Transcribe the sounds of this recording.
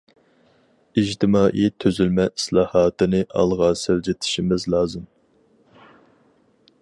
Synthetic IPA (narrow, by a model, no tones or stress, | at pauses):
iʒt̪ʰɪmɑːʔit̪ʰːøzylmɛislˠɑːhɑːt̪ɨnɨʔɑ̰lˠʁɑseld͡ʒɪt̪ʰɪ̥ʃimɪzlˠɑːzɨm